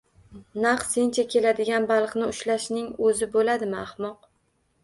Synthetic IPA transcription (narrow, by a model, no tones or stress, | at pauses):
naq̪se̞nt͡ʃʰakʲʰe̞lad̪ɪɡʲanbɑlˠqnɪʊʃlaʃnɪŋɵzɪbolad̪ɪmɪahmɒq̚